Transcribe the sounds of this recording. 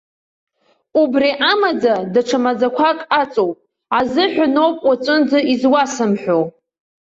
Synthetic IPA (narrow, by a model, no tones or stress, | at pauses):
ubriʔamad͡zadaʈ͡ʂʰamad͡zakʷʰakʼat͡sʼowpʼ | azɨħʷᶣʊnowpʼwat͡sʷʼɨnd͡zɨizwasɨmħʷᶣo